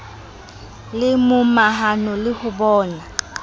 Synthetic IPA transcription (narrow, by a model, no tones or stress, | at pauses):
lɪmʊmaɦanɔlɪhʊbɔːna